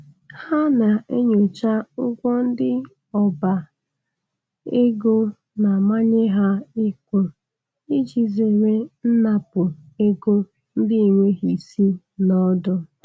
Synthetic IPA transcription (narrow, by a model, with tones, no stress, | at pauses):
ha˦na˨e˦ɲu˨t͡ʃa˦ʊ˦kʷɔ˦n̩˦dɪ˦ | ɔ˨ba˨ | e˦ɡo˦ | na˨ma˦ɲe˦ɦa˦i˦kʷe˨ | i˦d͡ʒi˨ze˨ŋʷe˦n̩˦na˨pʊ˨e˦ɡo˦ | n̩˦dɪ˦i˨ŋʷe˦ɦi˨si˦ | nɔ˦dʊ˦